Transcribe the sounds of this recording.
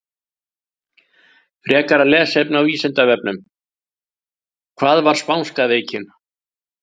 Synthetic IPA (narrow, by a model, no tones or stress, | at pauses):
fɾʔɛːkaɾalɛːsejpnʏawiːsɪnt̪avɛpnʏm | kʰv̥aːðvaɾ̥spawnskaveːjcɪn